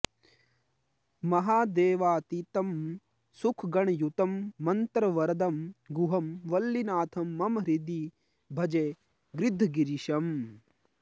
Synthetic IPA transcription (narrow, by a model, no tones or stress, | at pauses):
mɐɦaːd̪eːʋaːt̪it̪ɐm | sukʰɡɐɳjut̪ɐmːɐnt̪ɾɐʋɐɾɐd̪ɐmɡuɦɐmʋɐlːinaːt̪ʰɐmːɐmɾid̪i | bʱɐd͡ʒeː | ɡɾɪd̪ʱɡiɾiʃɐm